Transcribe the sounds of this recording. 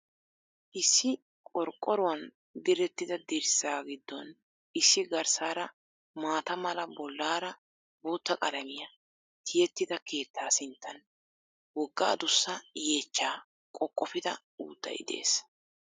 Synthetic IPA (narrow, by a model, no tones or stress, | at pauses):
ʔɪsːɪ | kʼɔɾkʼːɔɾʊwɐn | d̪ɪɾɛt̪ːɪd̪ɐd̪ɪɾsaːɡɪd̪ːɔn | ʔɪsːɪɡɐɾsaːɾɐ | maːt̪ɐmɐlɐbɔlːaːɾɐ | boːt̪ːɐkʼɐlɐmɪjɐ | t̪ʰɪjɛt̪ːɪd̪ɐke̞ːt̪ʰːaːsɪnt̪ʰːɐn | wɔɡːa̰ːd̪ʊsːɐje̞ːt͡ʃːaː | kʼɔkʼːɔfɪd̪ɐ̰ | ṵːd̪̥ːɐ̰jɪ̰d̪e̞̰ːs